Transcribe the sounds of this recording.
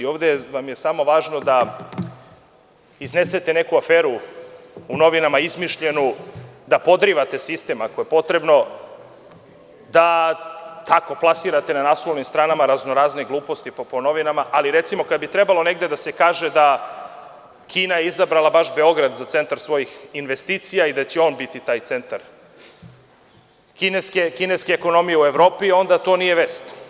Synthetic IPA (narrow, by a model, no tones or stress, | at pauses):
io̞ːʋd̪eʋamjesamo̞ʋaːʒno̞d̪a | izne̞set̪e̞ne̞kuafeːɾuː | no̞ʋinamaizmiʃʎe̞nud̪apo̞d̪ɾiʋat̪e̞sist̪e̞mako̞je̞po̞t̪ɾe̞bno̞ | d̪a | t̪ako̞plˠasiɾat̪enanaslonimst̪ɾaːnamaɾaznoɾaːzneɡlˠuːpo̞st̪ipopono̞ʋinamaʔaliɾet̪simo̞kad̪bit̪ɾebalˠo̞neɡd̪e̞d̪asekaːʒed̪a | kʰiːnajeizabɾalˠabaʃbe̞o̞ɡɾad̪zat̪se̞nt̪aɾsvʋo̞jixinʋe̞st̪iːt̪sijaid̪at͡ɕeo̞ːnbit̪it̪aːjt̪se̞nt̪aɾ | kineskekineskeːko̞no̞mijeue̞ʋɾo̞ːpio̞nd̪at̪o̞nije̞ʋest̪